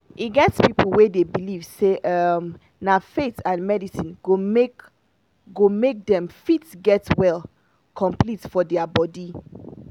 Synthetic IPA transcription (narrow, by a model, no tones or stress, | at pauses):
iɡɛtspipl̩ˠwedebilivseʔʌm | nafetãnmɛdisĩnɡomek | ɡomek̚dɛ̃mfitɡɛtwɛl | kʰɔ̃mplitfɔdɛabɔdi